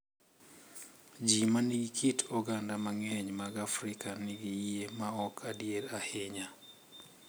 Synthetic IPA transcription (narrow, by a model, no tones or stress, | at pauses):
d͡ʒimaniɡikʰitʰɔɡandamaŋeɲmaɡafɾikaniɡiiemaɔkʰadjeɾaheɲa